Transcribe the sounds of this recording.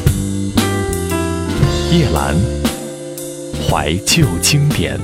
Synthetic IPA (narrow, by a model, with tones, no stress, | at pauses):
jɛ˥˩la̰˧˥n | xwa̰˧˥ɪt͡ɕjo˥˩ʊt͡ɕi˥ŋt̪jɛ̰˨˩˦n